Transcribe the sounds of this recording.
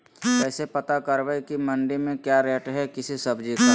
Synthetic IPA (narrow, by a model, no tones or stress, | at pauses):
ɛːsepɐt̪akɐɾʋekimɐ̃ɳɖemẽkjaːɾɛːʈɦɛkɪsisɐbd͡ʒika